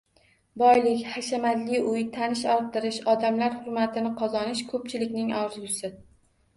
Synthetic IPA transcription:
bɒjlɪkʲhaʃamad̪lɪʊjt̪ʰanɪʃɒɾt̪ɪɾɪʃɒd̪amlaɾhʊɾmat̪ʰɪnɪqʰɒzɒnɪʃkʰɵp̚t͡ʃʰɪlɪkʲnɪŋɒɾzʊsɪ

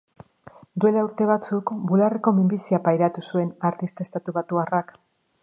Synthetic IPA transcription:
d̪ue̞lauɾt̪e̞β̞at͡sukbulareko̞mimbisiapajɾat̪usue̞naɾt̪ist̪aest̪at̪uβat̪uarak

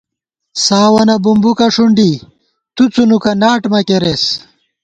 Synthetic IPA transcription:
saːwɐnɐbumbukɐʂuɳɖi | t̪ut͡sunukɐnaːʈmɐkeɾes

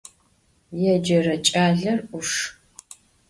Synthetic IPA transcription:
jɛd͡ʒɐrɐt͡ʃʼaːɮɐrʔʊʂ

